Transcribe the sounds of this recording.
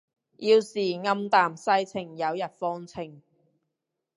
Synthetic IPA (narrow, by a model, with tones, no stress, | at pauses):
jiː˧wsiː˨ŋɐ˧˥mt̪aː˨msɐ˥jt͡sʰɪ˨˩ŋjɐ˨˧wjɐ˨t̚fɔː˥ŋt͡sʰɪ˨˩ŋ